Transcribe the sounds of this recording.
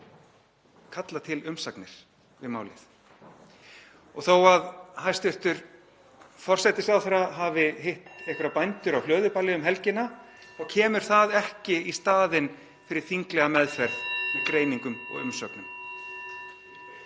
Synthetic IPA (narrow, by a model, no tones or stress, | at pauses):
kʰat̪lat̪ʰɪlʏmsaknɪɾ̥ | vɪðma̰ːwlɪ̰θ | ɔɣθowaðhajst̪ʏht̪ʏɾ | fɔr̥sɛjt̪ɪsawθɛɾaɦavɪɦejht̪ejhkʏɾapajnt̪ʏɾawhlœːðʏpalɪʏmɦɛlcɪna | θawcʰɛːmʏɾ̥θaðɛhcɪist̪aːðɪn | fɪɾɪɾ̥θiŋklɛɣamɛðfɛɾðikɾeːjniŋkʏmɔ̰ɣʏ̰msœknʏm